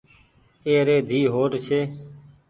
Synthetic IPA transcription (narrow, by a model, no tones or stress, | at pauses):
eːɾeːd̪ʱiːɦoːʈt͡ʃʰeː